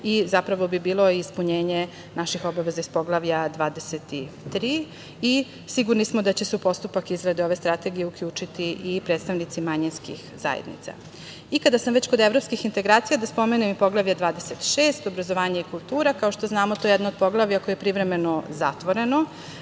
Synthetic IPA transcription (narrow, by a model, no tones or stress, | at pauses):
izapɾaʋo̞bibiːlo̞iːspuɲeːɲe | naʃixo̞baʋe̞zaispo̞ɡlˠaʋʎad̪ʋaːd̪e̞set̪it̪ɾiː | i | siɡuɾnismod̪at͡ɕe̞supo̞st̪upakizɾad̪eo̞ʋe̞st̪ɾat̪e̞ɡijeukʎʲuːt͡ʂit̪iʔipɾet̪st̪aʋnit̪simaɲinskḭxza̰jḛd̪nḭt̪sa̰ | ikad̪asamʋet͡ɕko̞d̪evɾo̞pskixint̪e̞ɡɾaːt̪sijad̪aspo̞menemipo̞ɡlˠaʋʎad̪ʋaːd̪e̞se̞t̪ʃeːst̪obɾazoʋaːɲaikulˠt̪uːɾakaoʃt̪o̞znaːmot̪o̞jejɛd̪nod̪̚po̞ɡlˠaʋʎijako̞jeepɾivɾeme̞noza̰t̪ʋo̞ɾe̞no